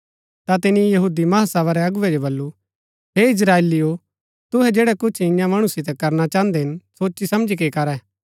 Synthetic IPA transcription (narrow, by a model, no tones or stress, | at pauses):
t̪at̪ɪnijɐɦuːd̪imɐɦasɛːβaɾɛɐɡʊʋɛd͡ʒobɐlːu | ɦeːɪs̬ɾaːelijo | t̪ʊɦɛd͡ʒeːɽɛkʊt͡ʃʰɪ̃jãmɐɽ̃ʊsɪt̪ɛkɐɾnat͡ʃãːə̃nd̪ɛɦɪnsoːt͡ʃːisɐ̃md͡ʒikekɐɾɛː